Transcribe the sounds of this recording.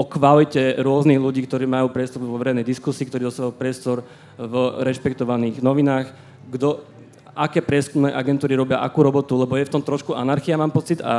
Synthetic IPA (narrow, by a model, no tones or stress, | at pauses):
ɔkʋalicɛɾʊɔzniɣluɟiːkt̪ɔɾiːmajuːpɾɪɛst̪ɔɾʋɔʋɛɾɛjnɛjd̪iskusiːkt̪ɔɾiːd̪ɔst̪aʋauːpɾɪɛst̪ɔɾ | vɾɛʃpɛkt̪ɔʋaniːɣnɔʋinaːx | ɡd̪ɔ | ʔakɛːpɾɪɛskumnɛːʔaɡɛnt̪uːɾiɾɔbɪaʔakuːɾɔbɔt̪ulɛbɔjɛft̪ɔmt̪ɾɔʃkuʔanaɾxiamaːmpɔt͡sid̪a̰